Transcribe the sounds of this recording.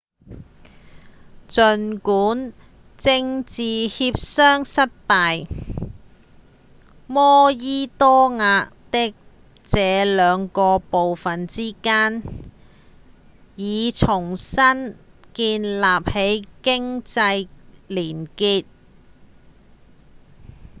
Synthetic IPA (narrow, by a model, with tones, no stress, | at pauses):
t͡sɵ˨nkuː˨˥n | t͡sɪ˧ŋt͡siː˨hiː˧p̚sœː˥ŋsɐ˥t̚paː˨˧j | mɔː˥jiː˥t̪ɔː˥ŋaː˧t̪ɪ˥k̚ | t͡sɛː˨˧lœː˨˧ŋkɔː˧po˨wfɐ˨nt͡siː˥kaː˥n | jiː˨˧t͡sʰʊ˨˩ŋsɐ˥n | kiː˧nlaː˨p̚he˨˥jkɪ˥ŋt͡sɐ˧jliː˨˩nkiː˧t̚